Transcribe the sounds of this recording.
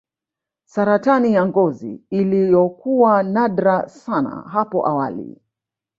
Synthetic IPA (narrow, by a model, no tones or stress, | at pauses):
saɾatanijaŋɡɔzḭilijɔkuwanaɗɾasana̰ɦapɔʔawalḭ